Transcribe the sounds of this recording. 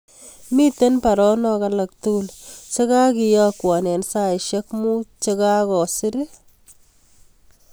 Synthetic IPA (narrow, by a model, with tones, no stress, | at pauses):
mi˦te˦npa˨ɾɔ˦nɔ˦kala˨k̚tu˦u˦lt͡ʃe˦ka˦ki˨jɔ˦kwa˨nɛ˨nsa˦ɪʃe˦kmu˦t͡ʃe˦ka˦kɔ˨sɪ˦ɾɪ˦